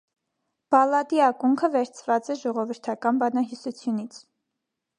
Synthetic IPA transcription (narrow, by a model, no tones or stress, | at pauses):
b̥ɑlɑd̪iɑkuŋkʰəvɛɾt͡sʰvɑt͡sɛʒɔʁɔvəɾt̪ʰɑkɑnbɑnɑɦisut͡sʰjunit͡sʰ